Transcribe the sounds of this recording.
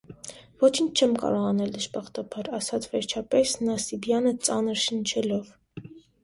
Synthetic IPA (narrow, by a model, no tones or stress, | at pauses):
vɔt͡ʃʰint͡ʃʰt͡ʃʰɛmkɑ̰ɾɔʁɑnɛld̪əʃpɑχt̪ɑpʰɑɾɑsɑt͡sʰvɛɾt͡ʃʰɑpɛsnɑsibjɑnət͡sɑnəɾʃənt͡ʃʰɛlɔv